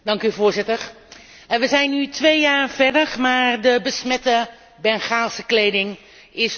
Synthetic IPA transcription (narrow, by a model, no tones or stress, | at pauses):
dɑŋkyvʊːɹzɪtəɹ | ʋəzɛjnːytʋejjaːrvɛdəɹmaːɹdəbəsmɛtə | bɛnχaːlˠsəklejdɪŋ | ɪs